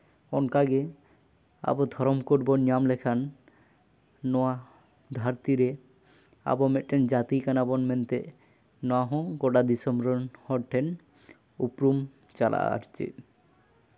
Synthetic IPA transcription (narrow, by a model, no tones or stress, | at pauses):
ɔnkaɡe | a̰bod̪ʱɔɾomkoɾbonijamlekʰan | ɔa | d̪ʱaɾt̪iɾe | a̰bomeʈʰːend͡ʑat̪ikanabɔnment̪e | nɔaɦõɡoɖad̪isɔmɾonhɔɾʈʰːen | upɾum | t͡ɕalʔa̰a̰ʃt͡ɕḛ